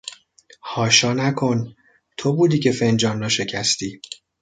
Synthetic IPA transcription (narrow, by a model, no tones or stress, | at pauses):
hɒːʃɒːnækʰo̞n | t̪ʰo̞buːd̪iːcʰe̞fe̞nd͡ʒɒːnrɒːʃe̞cʰæst̪iː